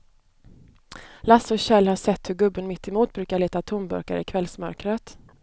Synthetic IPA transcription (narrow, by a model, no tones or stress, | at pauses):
lasɔɕɛlːhaʂɛt̪ːhɵɾɡɵbːənmɪt̪ʰːɛmuːt̪̚bɾʉːkaɭeːt̪at̪ʰʊmbɵ̰ɾka̰ɾəɪ̰kʰvɛlsmœɾkɾət̪